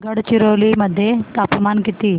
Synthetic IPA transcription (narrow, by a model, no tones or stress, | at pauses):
ɡəɽt͡ɕiɾoliməd̪ʱːjet̪apmankit̪iː